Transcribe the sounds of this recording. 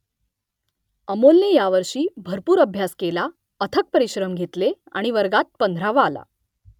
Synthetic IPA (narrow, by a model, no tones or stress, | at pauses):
əmolnejaʋəɾɕiːbʱəɾpuːɾəbʱjaskela | ət̪ʰək̚pəɾiɕɾəmɡʱet̪le | a̰ɽ̃iʋəɾɡat̪̚pənd̪ʱɾaʋəala̰